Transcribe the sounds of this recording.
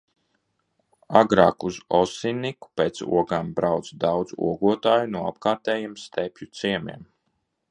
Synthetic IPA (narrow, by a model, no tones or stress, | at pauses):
aɡɾaːkuzɔsiniku̥peːt̪sṵɔɡambɾawt̪sd̪awd̪zṵɔɡuɔt̪aːjunuɔa̰pkaːɾt̪ɛːjimst̪ɛpʲjut̪siɛmḭɛm